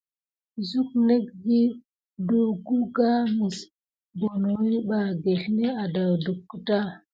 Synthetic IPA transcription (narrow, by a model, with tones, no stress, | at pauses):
zu˦k̚ne˦kɡi˦ | du˨ɡu˦ɡa˦mi˨s | bo˨nwi˦ɓa˨ɡe˨ɬne˦a˨da˨wdu˨kːə˦ta˦